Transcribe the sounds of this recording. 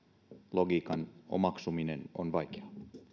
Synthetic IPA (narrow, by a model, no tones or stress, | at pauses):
loɡiːkɑno̰mɑksumineno̰nʋɑjkeɑ